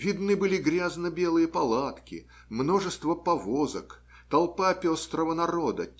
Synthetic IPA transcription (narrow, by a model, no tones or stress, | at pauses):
vʲɪd̪nɨbɨlʲɪɡɾʲaznəbʲe̞lˠɨjəpɐlˠat̪kʲɪ̰ | mno̞ʐɨst̪vəpɐvozə̰k | t̪ɐlˠpapʲo̞st̪ɾəvənɐɾo̞d̪ə